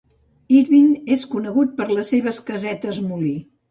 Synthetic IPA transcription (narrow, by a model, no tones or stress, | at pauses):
iɾβineskunəɣut̪̚pəɾləsːeβ̞əskəzɛt̪əzmuli